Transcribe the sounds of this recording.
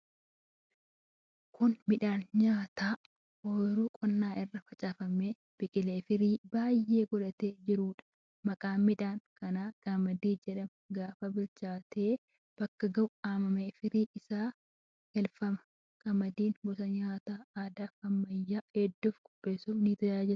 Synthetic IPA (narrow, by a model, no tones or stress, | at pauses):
kʰʊnmɪᶑaːnɲaːt̪aː | oːɾuːkʼɔnːaːɪrːɐfɐt͡ʃʼaːfɐmeː | b̥ɪkʼɪleːfɪɾiːbaːjːʔe̞ːɡɔlɐt̪eːd͡ʒɪɾuːᶑɐ̥ | mɐkʼaːmɪᶑaːŋkɐnaːɡ̥amɐd̪iːd͡ʒɛᶑɐm | ɡaːfɐbɪɾt͡ʃaːt̪ʰe̞ː | b̥ɐkːɐɡɐwaːmɐmeːfɪɾiːʔɪsaː | hɛlfɐmɐ | kʼɐmɐd̪iːnbɔsɐɲaːt̪aːaːd̪aːɐmːɐjːaːed̪ːʊfɡ̥ʊbːeːsuːniːt̪ɔjaːd͡ʒɪl